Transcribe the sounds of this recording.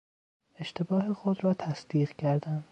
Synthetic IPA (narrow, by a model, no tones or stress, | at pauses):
e̞ʃt̪e̞bɒːɦexod̪ɾɒːt̪ʰæsd̪̥iːɣcʰæɾd̪æn